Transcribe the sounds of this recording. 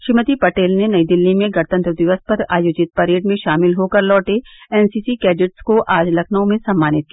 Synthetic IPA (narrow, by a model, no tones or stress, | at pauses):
ʃɪmət̪ipɐʈeːlnenɐid̪ɪlːimẽɡɐɽt̪ə̃nt̪ɾd̪ɪʋəspɐɾaːjoːd͡ʒɪt̪̚pɐɾeːɖmẽʃaːmɪlɦoːkɐɾlɔːʈeɛːnsiːsikɛːɖɪʈskoʔaːd͡ʒlɐkʰnõmẽsɐ̃mːaːnɪt̪̚ki